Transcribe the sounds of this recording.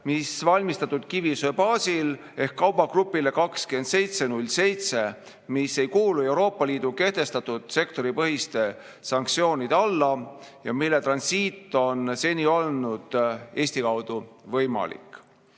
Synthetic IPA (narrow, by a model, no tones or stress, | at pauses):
misvɑlʲmist̪ɑt̪ːˑud̪̥kivisøpɑːsil | e̞hkːɑwb̥ɑɡ̥rupːˑile̞kɑkskyend̪se̞jt̪se̞nulʲːse̞jt̪se̞ | misːe̞jkuːlue̞wɾo̞ːpːˑɑliːd̪uke̞ht̪e̞st̪ɑt̪ud̪̥se̞kt̪o̞ɾipɤɦist̪e̞ | sɑŋk̚t̪sio̞ːnʲid̪̥eɑlːɑ | jɑmilːe̞t̪rɑnsiːt̪ːˑo̞nse̞nʲio̞lnud̪̥e̞ːsʲt̪ikɑwd̪̥uvɤjmɑ̰lḭk